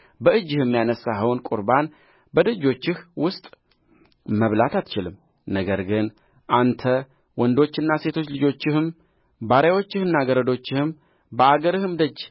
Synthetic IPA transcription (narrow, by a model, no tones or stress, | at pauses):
bəɨd͡ʒːɪhɨmːjanəsaɦəwnkʼuɾban | bəd̪ɨd͡ʒːo̞t͡ʃːɪhwʊst̪ʼ | məβlat̪at̪t͡ʃɪlɨm | nəɡəɾɡɨn | ʔant̪ʰə | wɔnd̪o̞t͡ʃːɪnːase̞t̪ʰo̞t͡ʃːlɨd͡ʒo̞t͡ʃːɪhɨm | baɾawo̞t͡ʃːɪhɨnːaɡəɾəd̪o̞t͡ʃːɪhɨm | bəaɡəɾɨhɨmd̪əd͡ʒː